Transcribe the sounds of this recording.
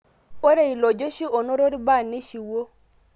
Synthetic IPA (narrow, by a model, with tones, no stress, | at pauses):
o˦ɾe˦i˨lɔ˨d͡ʒo˦ʃi˦o˨no˦ɾo˦ɾi˦ba˦˨ne˦ʃi˨wo˦